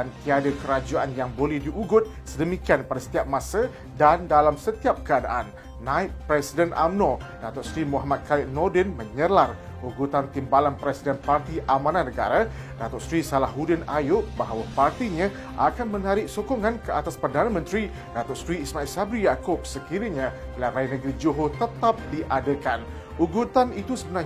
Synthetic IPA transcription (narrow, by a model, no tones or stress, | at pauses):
dant̪iadəkəɾad͡ʒuanjaŋbolɛhdiʔuɡʊt̪̚sədəmikianpadasə̥t̪iap̚mãsa | dandalamsət̪iap̚kəadaʔanː | ãɪppːɾɛsidənʔa̰mnõ | dat̪ɔʔsɾimoɦamat̪̚kʰaiʔnɔdɛnmə̃ɲəlar | uɡut̪ant̪imbalanpɾɛsidənpart̪iʔamãnanəɡa̰ɾa | dat̪ɔʔsɾisalahɦudɪnajʊʔ̚baɦawapart̪iɲã | ʔakanmənaɾɪʔ̚sokoŋãnkəat̪aspərdanəmə̃nt̪ɾi | dat̪ɔʔsɾiːsmãilsabɾijakʊb̚səkiɾiɲãlarajnəɡɾid͡ʒoɦot̪ət̪ap̚diʔadəkan | uɡut̪anit̪usəbəna